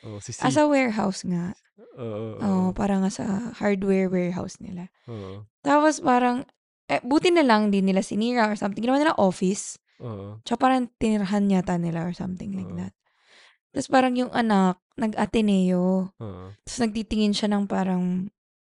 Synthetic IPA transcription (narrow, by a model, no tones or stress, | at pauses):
ʔɐsɐwɛɹɦawsŋaʔ | ʔoʔopaːɾɐŋasɐ̰haɹd̪wɛɹwɛɹɦa̰wsnɪ̰la | t̪aːpospaːɾɐŋ | ʔɛbuːt̪ɪnɐlɐŋd̪ɪnːɪlasɪniːɹɐʔɔɹsɐmt̪ɪŋɡnɐmanɪlaʔo̞ːfɪs | t͡ʃɐkapaːɾɐŋt̪ɪnɪɾɐɦanɲaːt̪ɐnɪlaʔoɹsɐ̰mt̪ɪŋlajk̚d̪ɐt̪̚ | t̪ɐspaːɾɐŋjʊŋʔɐnak̚nɐɡʔɐt̪ɛnɛjo | t̪ɐ̥snɐɡ̚t̪it̪ɪŋɪnʃanɐŋpaːɾɐŋ